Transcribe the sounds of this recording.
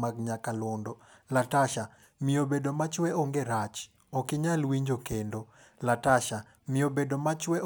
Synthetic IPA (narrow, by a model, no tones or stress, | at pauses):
maɡɲakalɔndɔlataʃa | mɪobedomat͡ʃwɛoŋɡeɾat͡ʃ | ɔkɪɲalwiɲd͡ʒokendo | lataʃa | mɪobedomat͡ʃwɛʔ